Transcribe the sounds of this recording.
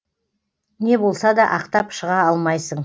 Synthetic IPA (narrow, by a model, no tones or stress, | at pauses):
ne̞bo̞lˠsɑd̪ɑʔɑqt̪ɑpʃəʁɑɑlˠmɑjsəɴ